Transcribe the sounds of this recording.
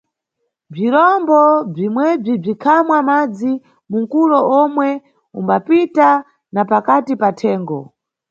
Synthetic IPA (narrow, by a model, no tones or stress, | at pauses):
b͡ʐiɾɔmbɔb͡ʐimwɛb͡ʐib͡ʐikʰamwamad͡zi | muŋkulɔɔmwɛ | umbapita | napakatipatʰɛːŋɡɔ